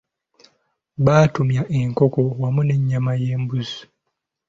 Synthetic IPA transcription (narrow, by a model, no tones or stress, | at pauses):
βaːtumjaʔe̞ŋko̞ko̞wamune̞ɲːamaje̞ːmbuzu̥